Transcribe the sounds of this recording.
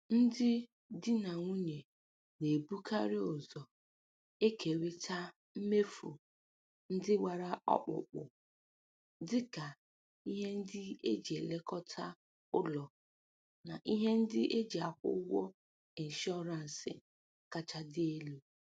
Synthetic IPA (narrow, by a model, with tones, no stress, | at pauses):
n̩˦dɪ˦ | dɪ˦na˨ŋʷu˦ɲe˨ | ne˨bu˦kʰa˦ɾɪ˦ʊ˨zɔ˨ | e˦kʰe˨ɾi˦tʰa˦ | m̩˦me˦fṵ˨ | n̩˦dɪ˦wa˨ɾa˦ɔ̰˦k͡pʊ̰˨k͡pʊ̰˨ | dɪ˦ka˨ | i˦ɦe˦n̩˦dɪ˦e˦d͡ʒi˨e˨le˦kɔ˦tʰa˦ | ʊ˦lɔ˨ | na˨ʔi˦ɦe˦n̩˦dɪ˦ʔe˦d͡ʒi˨a˨kʷʊ̰˦wɔ˦ | i˨n̩˨ʃɔ˦ɾa˨n̩˨sɪ̰˨ | ka˦t͡ʃa˦dɪ˦e˦lu˨